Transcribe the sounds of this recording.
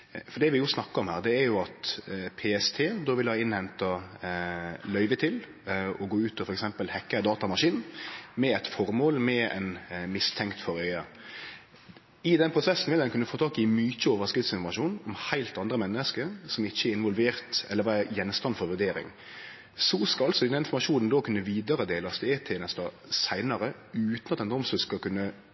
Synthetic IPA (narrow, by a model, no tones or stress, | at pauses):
fɔd̪ɛʋɪjʊsnɑkːəɾɔmhæːɾd̪ɛːɾjʊɑt̪pʰeːɛst̪ʰeːd̪oːʋɪlhɑːɪnhɛnt̪ɑ | lœʏʋət̪ʰɪl | ɔɡoːʉːt̪ɔfɔɾɛksɛmpəlhɛkːəd̪ɑːt̪ɑmɑʂiːnmɛɛt̪fɔɾmoːlmɛɛ̰nmɪst̪ʰɛŋkt̪fɔɾœʏɑ | ɪd̪ɛnpɾʊsɛsːn̩ʋɪld̪ɛnkʉnːəfoːt̪ʰɑːkɪmyːc͡çəoːʋəskɾɪft̪sɪnfɔɾmɑʂuːnɔmhæɪlt̪ɑnd̪ɾəmɛnːəskəɾsɔmɪçːəæɾɪnʋɔlʋeːɾt̪ɛlːəɾʋæːɾəjɛnst̪ɑnfɔɾʋʉd̪eːɾɪ̰ŋ | sɔskɑɑlsɔd̪ɛd̪ɛnɪnfɔɾmɑʂuːnnd̪ɔkʰʉnːəʋiːd̪ɑɾəd̪eːlsd̪ɛeːt̪ʰenɛst̪ɑ | sæɪnɑɾə | ʉːt̪nɑt̪d̪ɛnd̪ɔmsəskɑkʉnːə